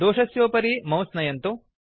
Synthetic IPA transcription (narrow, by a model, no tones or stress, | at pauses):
d̪oːʂɐsjoːpɐɾimɐwsnɐjɐnt̪u